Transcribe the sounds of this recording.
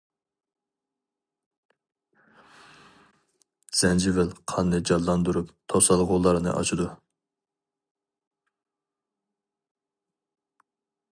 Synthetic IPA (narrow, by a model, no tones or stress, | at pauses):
z̥ɛnd͡ʒɪvɪlqʰɑnːɨd͡ʒɑlːɑnd̪uɾupt̪ʰosɑlˠʁʊlˠɑɾnɨ̰ʔɑ̰t͡ʃʰud̪u